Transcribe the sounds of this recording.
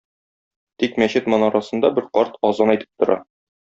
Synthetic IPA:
t̪ikmæɕɘt̪mɒnɑɾɑsɤ̆nd̪ɑbɘɾqɒɾt̪ɒzɑnɒjt̪ʰɘ̥p̚t̪ŏɾɑ̰

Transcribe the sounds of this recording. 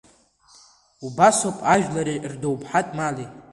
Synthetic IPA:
ubasopʼaʒᶣlaɾirdowpʰʼħatʼmali

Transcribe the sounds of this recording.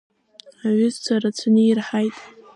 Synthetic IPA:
aɥɪzt͡sʷʰaɾat͡sʷʰanɨirħajtʼ

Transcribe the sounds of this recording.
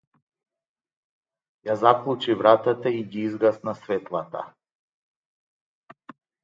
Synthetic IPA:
jazaklˠut͡ʃivɾat̪at̪aiɡiizɡasnasvɛt̪lˠat̪a̰

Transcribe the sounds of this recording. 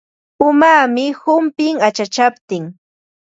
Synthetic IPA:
ʊmaːmɪhʊmpɪŋat͡ʃat͡ʃapt̪ɪŋ

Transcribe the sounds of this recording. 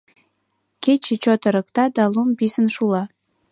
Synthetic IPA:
ket͡ɕet͡ɕot̪əɾə̆kt̪ɑd̪ɑlumbisənʃulɑ

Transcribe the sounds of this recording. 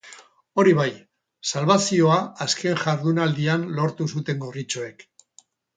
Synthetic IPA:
o̞ɾiβ̞aj | salβasio̞aaske̞ŋʝaɾðunald̪ianlo̞ɾt̪usut̪e̞ŋɡorit͡ʃoe̞k

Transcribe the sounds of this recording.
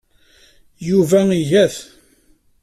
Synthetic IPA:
juvæijæθ

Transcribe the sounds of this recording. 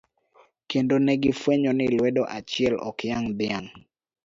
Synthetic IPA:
kendonɛɡɪfweɲɔnɪlwɛdɔʔat͡ʃɪɛlɔ̰kjaŋd̪ɪaŋ

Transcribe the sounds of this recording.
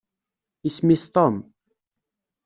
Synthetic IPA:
ismist̪ɔm

